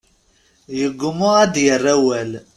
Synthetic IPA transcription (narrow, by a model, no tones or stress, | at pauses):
jəɡʊmuad̪jərˤːæwæl